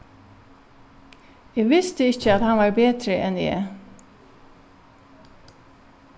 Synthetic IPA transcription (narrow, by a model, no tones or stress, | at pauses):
eːʋɪst̪əɪçəɑt̪hɑnʋɑːɹbeːd̪ɾəʔɛnḛː